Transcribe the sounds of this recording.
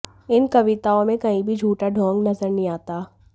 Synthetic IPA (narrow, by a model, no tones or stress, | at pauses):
ɪnkɐʋɪt̪aːõmẽkɐĩbʱid͡ʒʱuːʈaɖʱõːŋɡnɐzəɾnĩaːt̪aː